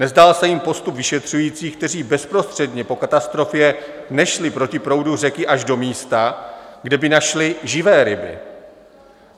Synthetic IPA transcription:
nɛzdalsɛjɪmpo̞st̪upvɪʃɛt̪r̝̥ujiːt͡siːxk̚t̪ɛr̝iːbɛspɾo̞st̪r̥ɛdɲɛpo̞kat̪ast̪ɾo̞fjɛ | nɛʃlɪpɾo̞cɪpɾo̞wdur̝ɛkɪʔaʒdo̞miːst̪aɡdɛbɪnaʃlɪʒɪvɛːɾɪbɪ̰

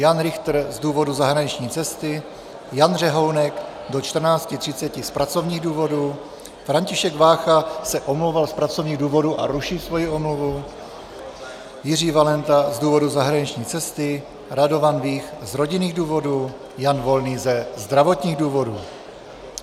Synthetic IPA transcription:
janɾɪxt̪r̩zduːvo̞duzaɦɾaɲɪt͡ʃɲiːt͡sɛst̪ɪ | janr̝ɛɦo̞wnɛk | do̞t͡ʃt̪r̩naːt͡scɪt̪r̝̥ɪtt͡sɛcɪspɾat͡so̞vɲiːɣduːvo̞duː | fɾaɲcɪʃɛɡvaːxasɛʔo̞mlowvalspɾat͡so̞vɲiːɣduːvo̞duʔa̰ɾuʃisvo̞jiʔo̞mluvu | jɪr̝iːvalɛnt̪azduːvo̞duzaɦɾaɲit͡ʃɲiːt͡sɛst̪ɪ | ɾado̞vanviːxzɾo̞ɟɪniːɣduːvodu | janvo̞lniːzɛzd̪ɾavo̞t̪ɲiːɣduːvo̞duː

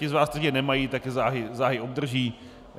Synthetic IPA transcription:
ɪzvaːst̪aʒɛnɛmajit̪akɪzaːɦɪzaːɦɪʔob̚d̪r̩ʒiː

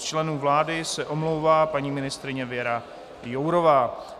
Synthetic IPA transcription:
t͡ʃlɛnuːvlaːdɪsɛʔo̞mlowvaːpaɲiːmɪnɪst̪ɾɪɲɛvjɛɾa | jowɾo̞vaː

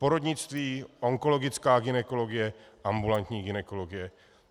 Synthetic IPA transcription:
poɾodɲɪt͡st̪viːʔo̞ŋko̞lo̞ɡɪt͡skaːɡɪnɛko̞lo̞ɡɪjɛʔambulant̪ɲiːɡɪnɛko̞lo̞ɡɪjɛ

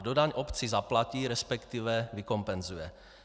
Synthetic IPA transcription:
dodaɲʔopt͡sizaplaciːɾɛspɛkt̪ivɛvikompɛnzujɛ

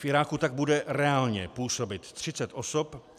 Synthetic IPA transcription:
fʔɪɾaːkut̪aɡ̚budɛɾɛaːlɲɛpuːso̞bɪt̪t̪r̝̥ɪt͡sɛt̪ʔo̞so̞p

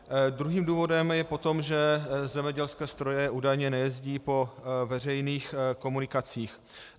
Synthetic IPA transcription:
d̪ɾuɦiːmduːvo̞dɛmjɛpo̞t̪o̞mʒɛzɛmɲɛɟɛlskɛːst̪ɾo̞jɛʔuːdajɲɛnɛjɛzɟiːpo̞vɛr̝ɛjniːxko̞munɪkat͡siːx

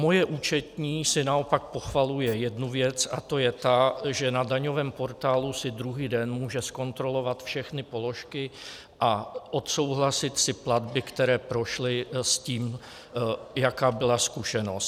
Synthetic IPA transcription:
mo̞jɛʔuːt͡ʃɛt̪ɲiːsɪnao̞pak̚po̞xvalujɛjɛdnuvjɛt͡sat̪o̞jɛt̪aʒɛnadaɲo̞vɛːmpo̞ɾt̪aːlusɪdɾuɦiːdɛnmuːʒɛsko̞nt̪ɾo̞lo̞vat̪fʃɛxnɪpo̞lo̞ʃkɪ | ʔaʔo̞t̪so̞wɦlasɪt̪sɪpladbɪkt̪ɛɾɛːpɾo̞ʃlɪsciːm | jakaːbɪlaskuʃɛno̞st̪

